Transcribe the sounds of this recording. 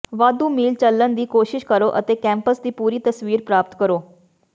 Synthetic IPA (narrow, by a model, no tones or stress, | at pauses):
ʋad̪umiːlt͡ɕəlːənd̪iːkoɕiɕkəɾoʔə̰t̪ekɛ̃mpəsd̪iːpuːɾiːt̪əsʋiːɾpɾaːp̚t̪kəɾoː